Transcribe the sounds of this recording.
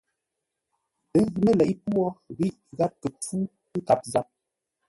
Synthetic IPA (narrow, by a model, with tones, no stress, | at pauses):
ə˨˦ɣi˨mə˦lɛ˨ʔi˦pwɔ˦ɣi˦˨ʔɣa˦p̚kə˨p͡fu˦ | ə˦ka˨p̚za˦p̚